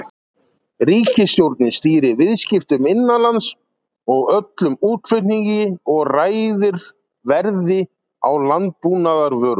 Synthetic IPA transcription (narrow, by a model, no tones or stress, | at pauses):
riːcɪst̪jowɾt̪nɪst̪iːɾɪvɪðscɪft̪ʏmɪnːalans | ɔɣœt̪lʏmuːt̪fɪt̪niɲcɪɔɣraːjðɪɾ | vɛɾðɪ | a̰wlant̪̚puːnaðaɾvœːɾ